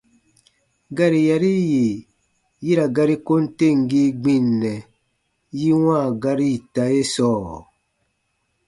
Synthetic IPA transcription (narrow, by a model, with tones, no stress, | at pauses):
ɡa˦ɾi˨ja˨ɾi˦ji˨ | ji˦ɾa˨ɡa˦ɾi˦ko˦n̩˦te˦˨ŋ˨ɡi˦ɡ͡bĩ˦nːɛ˨ | ji˦wã˦˨ɡa˦ɾi˦˨ta˨˦je˦sɔː˦˨